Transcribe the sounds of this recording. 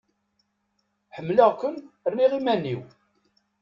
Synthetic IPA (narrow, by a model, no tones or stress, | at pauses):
ħəmːləʁkʷənrːiʁimænːiw